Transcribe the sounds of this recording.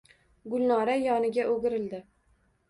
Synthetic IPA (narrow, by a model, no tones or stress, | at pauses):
ɡʊlˠnɒɾajɒnɪɡʲaʔoɡʲɪɾɪld̪ɪ